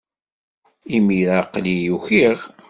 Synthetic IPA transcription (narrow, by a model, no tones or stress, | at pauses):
imiɾaqlijuçiʁ